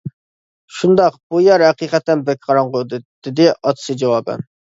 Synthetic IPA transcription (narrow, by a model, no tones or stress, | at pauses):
ʃund̪ɑqbujæɾhæqiqɛt̪ːɛnbɛk̚ʲqʰɑɾɑɴʁod̪d̪̥ɪd̪ɪʔɑt̪sɨd͡ʒɑwɑbɛ̰n